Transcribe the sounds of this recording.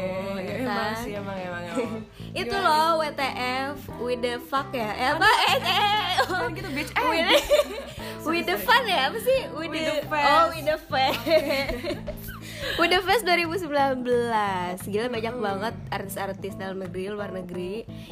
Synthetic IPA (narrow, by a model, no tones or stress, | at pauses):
t̪aamaŋaa | it̪ulɔwet̪eʔɛf | widəfakjaabaɛkajaɡit̪ubit͡ʃɛwi | widəfanjapasɪhwiəfɔwidəfɛ | widəfɛsduaɾibus̬əmbilanbəlasɡilabaɲak̚baŋət̪̚art̪ɪ̥sart̪isdalnəɡɾiluarnəɡɾi